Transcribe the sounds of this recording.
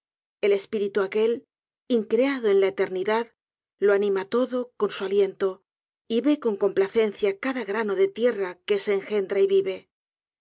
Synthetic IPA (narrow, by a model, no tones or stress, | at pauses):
e̞le̞spiɾit̪uake̞l | iŋkɾeaðo̞e̞nlaet̪e̞ɾniðað | lo̞anĩmat̪o̞ðo̞ko̞nsualje̞nt̪o̞ | iβe̞ko̞ŋko̞mplaθe̞n̟θjakaðaɣɾano̞ðe̞t̪je̞rake̞se̞ːŋxe̞nd̪ɾaiβiβe̞